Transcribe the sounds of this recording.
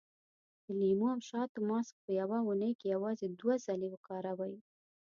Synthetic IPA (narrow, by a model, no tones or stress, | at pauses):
d̪̥əlimuawʃɑt̪əmɑsk̚pəjawaunəjkejawɑzed̪wazalewəkɑɾawaji